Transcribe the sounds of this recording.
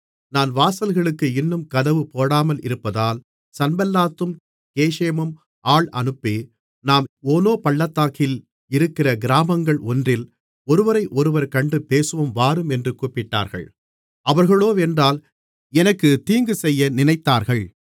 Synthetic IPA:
naːnʋaːsɐlɣɐɭɯkːɯɪnːɯmkɐðɐʋɯpoːɽaːmɐlɪ̰ɾɯpːɐðaːl | sɐnbɐlːaːt̪ːɯm | keːʂeːmɯm | ʔaːɭɐnɯpːeː | naːmoːnoːpɐɭːɐt̪ːaːkɪl | ɪɾɯkːɪrɐɡɪɾaːmɐŋɡɐɭɔndrɪl | ɔɾɯʋɐɾɐɪʔɔɾɯʋɐɾkɐɳɖɯpeːsɯʋɐmʋaːɾɯmɛndrɯkuːpːɪʈːa̰ːɾɣɐ̰ɭ | ɐʋɐɾɣɐɭoːʋeːndraːl | ɛnɐkːɯt̪iːŋɡɯsɛjːɐnɪnɐɪt̪ːaːɾɣɐɭ

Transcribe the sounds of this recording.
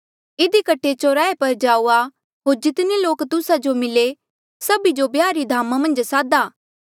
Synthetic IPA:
ɪd̪ikɐʈʰet͡ʃoːɾaːepɐɾd͡ʒaːua | ɦoːɾd͡ʒɪt̪neloːkt̪ʊsad͡ʒomɪle | sɐbid͡ʒobjaːɾid̪ʱaːmamɐ̃nd͡ʒsaːd̪aː

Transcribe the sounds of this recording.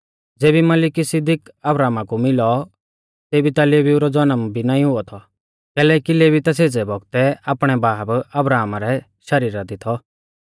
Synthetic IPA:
d͡zeːbimɐlɪkisɪd̪ɪkɐbɾaːmakumɪlɔ | t̪eːbit̪aleːʋiuɾɔd͡zɐnəmbʱinãːĩɦʊɔt̪ʰɔ | kɛːlɛːkileːbit̪aseːd͡zɛbɔɡ̚t̪ɛaːpɽ̃ɛbaːbɐbɾaːmaɾɛ | ʃɐɾiːɾad̪ɪt̪ʰɔ

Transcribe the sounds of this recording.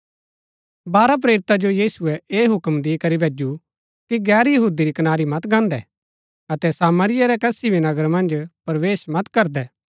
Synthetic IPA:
baːɾap̬ɾeːɾɪt̪ad͡ʒojiːsʊɛʔeːɦʊkmd̪ikɐɾibʱeːd͡ʒu | kiɡɛːɾjɐɦuːd̪iɾikɐnaːɾimɐt̪ɡãːnd̪ɛ̰ | ɐt̪ɛsaːməɾɪjaɾɛkɛːsibʱinɐɡəɾmɐ̃nd͡ʒpɐɾʋeːʃmɐt̪kɐɾd̪ɛː

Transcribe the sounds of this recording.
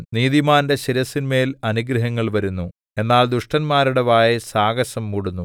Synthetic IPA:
niːðimaːndeɕiɾɐsːinme̞ːlɐnuɡɾɐɦɐŋːɐɭʋɐɾunːu | e̞nːaːld̪uʂʈɐnmaːɾuɽɐʋaːjɐsaːɡɐsɐmːuɽunːu

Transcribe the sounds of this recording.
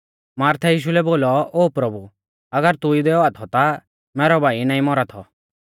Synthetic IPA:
maːɾt̪ʰɛjiːʃ̬ulɛboːlɔoːpɾɐbu | ɐɡəɾt̪ʊid̪ɛɔaːt̪ʰɔt̪a | mɛːɾɔbʱaːinãːĩmɔɾat̪ʰɔ

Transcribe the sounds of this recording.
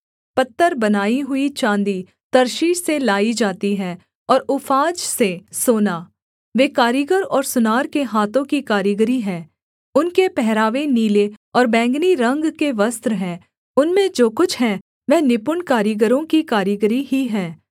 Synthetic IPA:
pɐt̪ːəɾbɐnaːiɦʊit͡ʃãːnd̪i | t̪ɐɾʃiːʃselaːid͡ʒaːt̪iɦɛ̃ː | ɔːɾʊfʰaːd͡ʒsesoːnaː | ʋeːkaːɾiɡəɾɔːɾsʊnaːɾkeɦaːt̪õkikaːɾjəɡɾiɦɛ̃ː | ʊnkepɛɦɾaːʋeniːleɔːɾbɛ̃ːŋɡniɾɐ̃ŋɡkeʋɐst̪ɾɦɛ̃ː | ʊnmẽd͡ʒoːkʊt͡ʃʰɦɛ̃ | ʋɛnɪpʊɳkaːɾjəɡəɾõkikaːɾjəɡɾiɦiɦɛ̃ː

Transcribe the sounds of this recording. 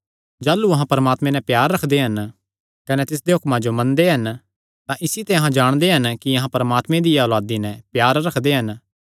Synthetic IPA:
d͡ʒaːlːuɐɦãpɐɾəmaːt̪mɛ̃nɛpjaːɾːɐkʰd̪eɦɐn | kɐnɛt̪ɪs̬d̪eɦʊkmãd͡ʒomɐ̃nd̪eɦɐn | t̪ãʔɪsit̪ɛɐɦãd͡ʒaːɽ̃d̪eɦɐnkiɐɦãpɐɾəmaːt̪mẽd̪ɪjaɔːlaːd̪inɛ̃pjaːɾɾɐkʰd̪eɦɐn

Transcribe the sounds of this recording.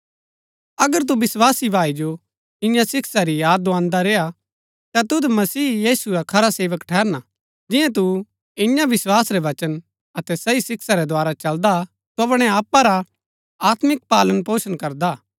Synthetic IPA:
ɐɡəɾt̪̬ubɪswaːsibʱaːid͡ʒo | ɪ̃jãsɪksaɾijaːd̪ãːnd̪aɾeːa | t̪at̪ʊd̪mɐsiːjiːsuɾakʰɐɾaseːʋəkʈʰɛːɾna | d͡ʒɪjãt̪̬u | ɪ̃jãʋɪswaːsɾeʋɐt͡ʃən | ɐt̪ɛsɐisɪksaɾɛd̪ʱʊaːɾat͡ʃɐld̪a | t̪oɐpɽ̃ɛaːpːaɾa | aːt̪mɪk̚paːlənpoːsənkɐɾd̪aː

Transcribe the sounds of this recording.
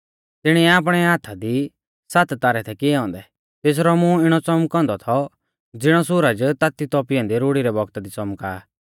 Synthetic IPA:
t̪ɪɽ̃iɛaːp̬ɽ̃ɛaːt̪ʰad̪i | sat̪t̪aːɾɛt̪ʰɛkɪɛɔ̃ːnd̪ɛ | t̪eːs̬ɾɔmũɪɽ̃ɔt͡sɔmkɔ̃ːnd̪ɔt̪ʰɔ | d͡zɪɽ̃ɔsʊɾəd͡ʒt̪at̪it̪ɔːpɪjɔ̃ːnd̪iɾoːɽiɾɛbɔɡt̪ad̪it͡sɔmkaː

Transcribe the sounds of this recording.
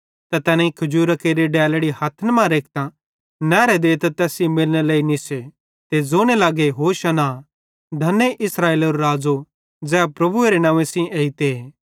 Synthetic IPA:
t̪ɐt̪ɛːnẽikʰɐd͡ʒuːɾɐkeɾiɖɛːlɽihɐt̪ʰənmãɾeːk̚ʰt̪ã | nɛːɾed̪eːt̪ɐt̪ɛːsimɪlneleːinise | t̪ed͡zoːɽ̃elaːɡeɦoːʃɐna | d̪ʱɐneʔɪsɾaːeːloɾɾaːd͡zo | d͡zɛːapɾɐbueɾenãːʋẽsĩʔeːit̪eː

